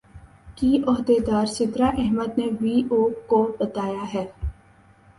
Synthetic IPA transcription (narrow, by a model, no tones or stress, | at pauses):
kiʔɔɦd̪ed̪aːɾsɪt̪ɾaʔɛɦməd̪neʋiːʔoːkːobɐt̪aːjaɦɛː